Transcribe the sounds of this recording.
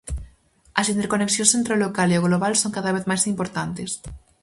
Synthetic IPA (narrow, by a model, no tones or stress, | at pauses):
ɐsint̪eɾkoneksjõnsent̪ɾolokaleoɣloβalsoŋkaðaβeðmajsimpoɾt̪ant̪es